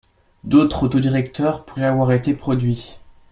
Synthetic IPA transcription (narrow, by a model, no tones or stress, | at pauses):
d̪ot̪χot̪od̪iʁɛk̚t̪œʁpuʁɛavwaʁet̪epχɔd̪ɥi